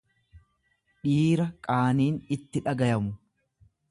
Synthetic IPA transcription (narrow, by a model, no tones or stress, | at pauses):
ᶑiːɾɐkʼaːniːnɪt̪ːɪᶑɐɡɐjɐmʊ